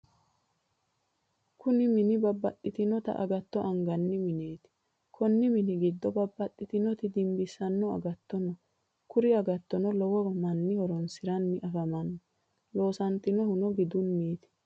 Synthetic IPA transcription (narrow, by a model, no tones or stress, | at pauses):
kʰʊnɪmɪnɪbɐbːɐt̪ʼːɪt̪ɪnɔt̪ɐ̰ʔɐ̰ɡɐt̪ːɔʔɐŋɡɐnːɪmɪne̞ːt̪ɪ̥ | kʰɔnːɪmɪnɪɡɪd̪ːɔbɐbːɐt̪ʼːɪt̪ɪnɔt̪ɪd̪ɪmbɪsːɐnːɔɐ̰ɡɐt̪ːɔnɔ | kʊɾɪɐɡɐt̪ːɔnɔlɔwɔbɐmɐnːɪhɔɾɔnsɪɾɐnːɪʔɐfɐmɐnːɔ | lo̞ːsɐnt̪ːɪnɔhʊnɔɡɪd̪ʊnːiːt̪ɪ̥